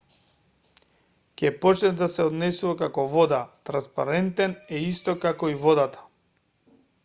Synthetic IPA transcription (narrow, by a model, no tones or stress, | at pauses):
cʲɛpɔt͡ʃnɛd̪asɛɔd̪nɛsuvakakɔvɔd̪at̪ɾanspa̰ɾɛnt̪ɛnɛist̪ɔkakɔivɔd̪at̪ḁ